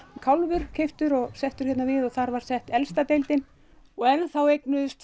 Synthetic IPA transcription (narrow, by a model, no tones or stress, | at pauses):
kʰawlvʏɾ̥cʰejft̪ʏɾɔɣsɛht̪ʏɾ̥çɛt̪navɪðɔθaɾvaɾ̥sɛht̪ɛlst̪at̪ejlt̪ɪn | ɔɣɛnθawejknʏðʏst̪